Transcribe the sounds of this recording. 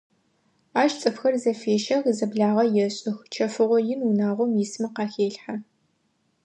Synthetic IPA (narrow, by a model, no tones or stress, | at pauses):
aːʃt͡sʼɨfxɐrzɐfeːʃɐʁizɐbɮaːʁɐjɛɕʼɪxt͡ʃʰɐfɨʁʷɔjɪnunaːʁʷɔmjɪsmɨqɑːxeːɬħa